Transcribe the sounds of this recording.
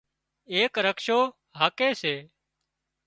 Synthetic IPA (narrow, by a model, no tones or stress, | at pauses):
eːkɾəkʃoː | ɦaːkeːseː